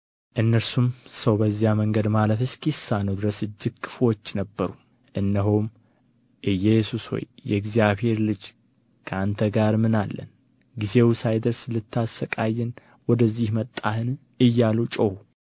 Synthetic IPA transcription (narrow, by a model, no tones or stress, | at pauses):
ʔɨnːəɾsumsəwbəzːijaməŋɡəd̪maləfɨskʰʼisːanəwd̪ɨɾəsɨd͡ʒːɪɡ̚kʰːɨ̥fwot͡ʃːnəbːəɾu | ʔɨnːəɦom | ʔɨjːɛsusho̰jjːɛɡzijaβhe̞ɾlɨd͡ʒ | kʰəant̪ʰəɡaɾmɨnalːə̰n | ɡize̞wsajd̪əɾsɨlːɨt̪ʰːasəkʼajːɛn | wɔd̪əzːihmət̪ʼːahɨn | ɨjːalut͡ʃʼəhu